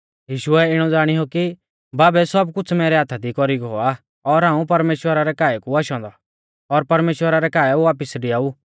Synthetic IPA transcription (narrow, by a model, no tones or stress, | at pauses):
jiːʃʊɛɪɽ̃ɔd͡zaːɽ̃iɦoki | baːbɛsɔbkʊt͡ʃʰmɛːɾɛaːt̪ʰad̪ikɔɾiɡo̰a | ɔɾɦãːũpɐɾmeːʃwəɾaɾɛkaːɛkuaːʃɔ̃ːnd̪ɔ | ɔɾpɐɾmeːʃwəɾaɾɛkaːɛuʋaːpɪsɖɪaːu